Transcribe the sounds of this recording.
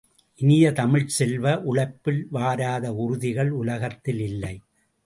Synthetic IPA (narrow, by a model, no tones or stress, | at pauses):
ʔɪnɪjɐt̪ɐmɪɻsɛlʋɐʔʊɭɐɪpːɪlʋaːɾaːðɐʊɾʊðɪɣɐɭʊlɐɣɐt̪ːɪlɪlːɐɪ